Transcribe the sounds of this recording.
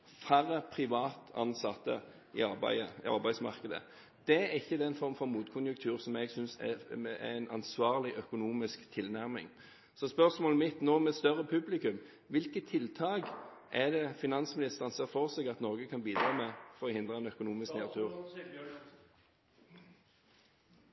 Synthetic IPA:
fæɾːəpʰʁɪʋɑːt̪ɑ̰nsɑt̪ːə̰ | ɪ̰ɑbæ̰ɪəɑ̰ɾbæɪsmɑ̰ʁkəd̪ə̰ | d̪̥ɛæʁɪçːəd̪ɛnfɔɾmfɔɾmuːt̪kʰʊnjʉŋk̚t̪ʰʉːʁsɔmɛɡsʏnsɛ̰æ̰ænʔɑ̰nsʋɑːʁlɪʔœkʊnuːmɪskt̪ʰɪlnæʁmɪ̰ŋ | sɔspœʁsmoːləmɪt̪noːmɛst̪œʁəpʰʉblɪkʉm | ʋɪlkət̪ʰːɪlt̪ʰɑːɡʔæd̪ɛfɪnɑnsmɪnɪst̪əʁənsɛʁfɔʁsɛɡɑt̪noːɡəkʰɑnbiːd̪ɾʁɑːmɛfɔɾɔhɪnd̪ʁɑɛnœkʊnuːmɪskneːʁt̪ʰʉːʁ

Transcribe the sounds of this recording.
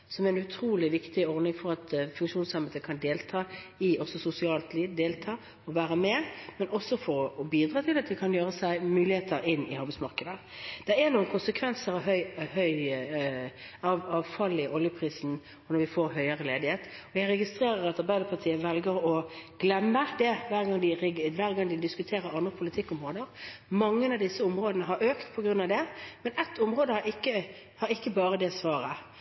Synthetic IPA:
sɔmæɪnʉt̪ʰɾuːlɪʋɪkt̪ɪɔʁd̪ɪŋfɔɾɑt̪fʉŋkʃuːnsɑmbɛt̪əkʰɑnd̪eːlt̪ʰɑː | ɪʔɔsɔsʊsɪɑːlt̪liːʋd̪eːlt̪ʰɑː | ɔʋæːɾəmɛmɛnɔsːɔfɔɾɔbiːd̪ʁɑːt̪ʰɪlɑt̪̚d̪ɪkʰɑnjøːɾəsæɪmʉːlɪheːt̪ʰəɾɪnːɪɑʁbæɪtsmɑʁkəd̪ə | d̪̥ɛɛnuːənkʰʊnsəkʰʋɛnsəɾɑʋɦœʏhœʏ | ɑʋɑʋfɑlːɪɔljəpʰɾiːsn̩ | ɔnɔɾʋɪfoːɾɦœʏəʁəleːd̪ɪheːt̪ɔjæɪɾɛɡɪst̪ɾeːɾəɾɑt̪ɑɾbæɪd̪əɾpʰɑt̪ʰiːəʋɛlɡəɾɔɡ̥lɛmːəd̪ɛʋæːʁɡɑŋːd̪ɪʋæːʁɡɑŋːd̪ɪd̪ɪskʉt̪ʰeːɾəɾɑnd̪ʁəpʰʊlɪt̪ʰɪkːɔmʁoːd̪əɾmɑŋːənɑʋd̪ɪsːəʊmɾoːd̪ənəɦɑɾøːkt̪pʰɔɡɾʉnːɑʋd̪ɛmɛnɛt̪ːʊmʁoːd̪əhɑɾɪkːə | hɑɾɪkːəbɑːɾəd̪ɛsʋɑːɾə

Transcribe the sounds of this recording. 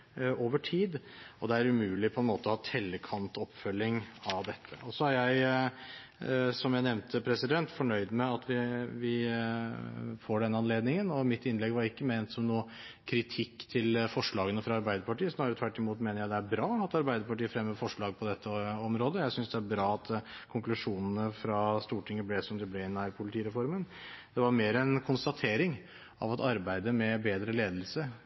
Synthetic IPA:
oːʋəʈʰiːd̪ɔd̪ɛæɾʉmʉːlɪpʰɔɛnmoːt̪əɔhɑːt̪ʰɛlːəkʰɑnt̪ʰɔpːfœlːɪŋɑʋd̪ɛt̪ʰːə̰ɔsɔæɾjæɪ | sɔmjæɪnɛʋnt̪ʰəpʰɾɛsɪd̪ɛnt̪fɔɳœʏd̪mɛɑt̪ʋɪʋɪ | foːɖɛnːəɑnleːd̪nɪŋənɔmɪt̪ːɪnːlɛɡʋɑɾɪkːəmeːnt̪sɔmnuːə | kʰɾɪt̪ʰɪkːt̪ʰɪlfɔʂɭɑːɡənəfɾɑɑɾbæɪd̪əɾpɑʈiːəsnɑːɾət̪ʰʋæʈːɪmuːt̪meːnəjæɪd̪ɛæɾbɾɑːɑt̪ɑɾbæɪd̪əɾpɑʈiːəfɾɛmːəɾfɔʂɭɑːɡ̚pʰɔd̪ɛt̪ʰːəɔmɾoːd̪əjæɪsʏnsd̪ɛæɾbɾɑːɑt̪kʰʊŋklʉʂuːnənəfɾɑst̪uːʈʰɪŋːəblɛsɔmd̪ɪblɛɪnːæɾpʰʊlɪt̪ʰiːɾɛfɔɾmənd̪̥ɛʋɑɾmeːɾəɛnkʰʊnst̪ɑt̪ʰeːɾɪŋ | ɑ̰ʋɑt̪ɑɾbæɪd̪əmɛbeːd̪ɾəleːd̪əlsə

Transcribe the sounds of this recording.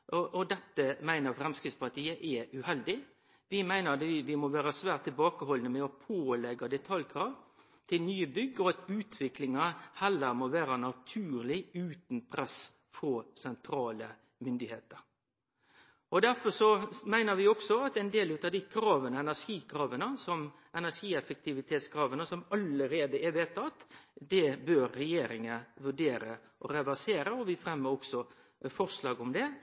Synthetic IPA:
ʔɔʔɔd̪ɛt̪ːəmæɪnəɾfɾɛmskɾɪt̪spɑt̪ʰiːəʔɛʔʉhɛld̪ɪ | ʋɪmæɪnəɾɑt̪ɪʋɪmɔʋæːɾəsʋæːʁt̪ʰːɪlbɑːkəhɔlənəmɛɔpʰoːlɛɡɑd̪ɛt̪ʰɑljkʰɾɑːʋ | t̪ʰɪlnyːəbʏɡːəɔɑt̪ʉːt̪ʰʋɪklɪŋɑhɛlːəɾmoːʋæːɾənɑt̪ʰʉːɾlɪʉːt̪npʰɾɛs | fɔɾsɛnt̪ʰɾɑːlə | mʏnd̪ɪheːt̪əɾ | ɔd̪æɾfɔʂɔmæɪnəɾʋɪɔksɔɑt̪ɛnd̪eːlʉːt̪ɑd̪ɪkʰɾɑːʋənəɛnæʂiːkʰɾɑːʋənəsɔm | ʔɛnæʂiːɛfəkt̪ʰɪʋɪt̪ʰeːt̪skʰɾɑːʋənəsɔmɑləɾeːd̪əɛʋeːt̪ɑt̪d̪ɛbøɾːɛjeːɾɪŋəʋʉɖeːɾə | ʔɔ̰ɾɛʋæseːɾəɔʋɪfɾɛmːəɾɔksɔ | fɔʂlɑːɡʊmd̪ɛ

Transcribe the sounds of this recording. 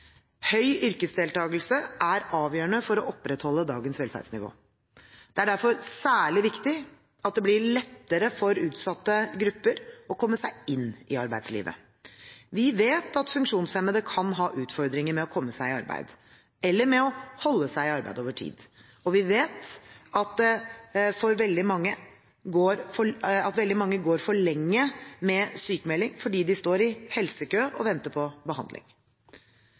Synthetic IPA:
hœʏʔʏɾkəsd̪eːlt̪ʰɑːɡəl̩səʔæɾɑːʋjøːəɳəfɔɾɔʔɔpːɾɛt̪hɔlːəd̪ɑːɡənsʋɛlfæ̰ɖ̪snɪʋo̰ː | d̪̥ɛæɖæɾfɔɾsæːɭɪʋɪkt̪ɪ | ɑt̪̚d̪ɛblɪɭɛt̪ːəɾəfɔɾʉːt̪sɑt̪ːəɡɾʉpːəɾɔkʰɔmːəsæɪɪnːɪɑɾbæɪd̪slḭːʋə̰ | ʋɪʋeːt̪ɑt̪fʉŋkʂuːnsɛməd̪əkʰɑnɦɑːʔʉːt̪fɔɾd̪ɾɪŋəɾmɛɔkʰɔmːəsæɪɪɑɾbæ̰ɪd̪ | ɛlːəɾmɛɔhɔlːəsæɪɪɑɾbæ̰ɪd̪oːʋəʈʰḭːd̪ | ɔʋɪʋeːt̪ɑt̪̚d̪ɛfɔɾʋɛld̪ɪmɑŋːə | ɡoːɾfɔɑt̪ʋɛld̪ɪmɑŋːəɡoːɾfɔɭɛŋːəmɛsyːkəmɛlːɪŋfɔɖiːd̪ɪst̪oːɾɪhɛlsəkøːʔɔʋɛnt̪əɾpʰɔbəhɑnd̪lɪ̰ŋ

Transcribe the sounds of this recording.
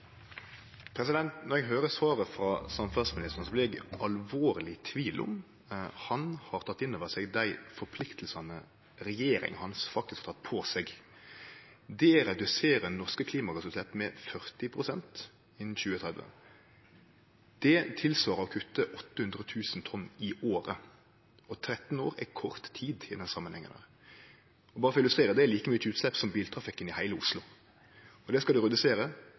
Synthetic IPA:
pʰɾɛsɪd̪ɛnt̪nɔɾʁɛɡɦøːʁəsʋɑːʁəfʁɑsɑmfæsmɪnɪst̪əʁnsblɪɛɡʔɑlʋoːʁlɪt̪ʰʋiːlʔʊ̰m | hɑnhɑʁt̪ʰɑt̪ːɪnːoːʋəʁsɛɡd̪æɪfɔpʰlɪkt̪ʰəl̩sɑnə | ɾɛjeːɾɪ̰ŋhɑnsfɑk̚t̪ɪskʰhɑt̪ʰɑt̪̚ːpʰɔsɛɡ | d̪ɛɾɛd̪ʉseːʁənɔʁskəkʰliːmɑɡɑsʊslɛt̪mɛfœʁt̪ɪpʰʁʊsɛnt̪ | ɪnn̩çʉːət̪ʰʁɛd̪ʋə̰ | d̪̥ɛt̪ʰɪlsʋɑːɾəɔkʰʉt̪ːəʔɔt̪ːəhʉnd̪ɾət̪ʰʉːsnt̪ʰɔnːɪoːɾə | ɔt̪ʰɾɛt̪n̩oːɾɛkʰɔʁt̪ʰiːd̪ɪd̪ɛnsɑmənhɛ̰ŋːənæ̰ | ɔbɑːɾəfɔɪlʉst̪ʁeːɾəd̪ɛæɾliːkəmyʉːt̪slɛpːsɔmbiːlt̪ʰɾɑfɪkːənɪhæɪləʊslʊ | ɔd̪ɛskɑld̪ʉʁɛd̪ʉseːɾə

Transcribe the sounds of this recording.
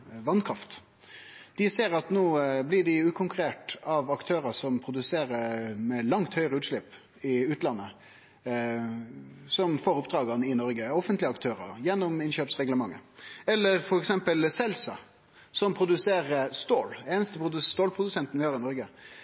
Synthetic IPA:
ʋɑnkʰɾɑft̪ | d̪̥ɪseːɾɑt̪noːblɪɖɪʉːkʰʊŋkʉɾeːʈ̪ɑʋɑkt̪ʰøːɾəsɔmpʰɾʊd̪ʉseːɾəmɛlɑŋt̪hœʏɾəʉːt̪ʂɭɪpː | ɪʉːt̪lɑnːə | sɔmfoːɾʊpd̪ɾɑːɡɑnəɪnɔɾɡəɔfənt̪lɪəɑkt̪ʰøːɾə̰ɾjɛnːɔmɪnɕøːpsʁɛɡləmɑŋːə̰ɛlːəɾfɔɾɛksɛmpəlsɛlsɑ̰ | sɔmpʰɾʊd̪ʉseːɾəst̪oːleːnəst̪əpɾʊd̪st̪oːlpʰɾʊd̪ʉsɛnt̪ən̩ʋɪhɑːʁɪnɔɾɡə

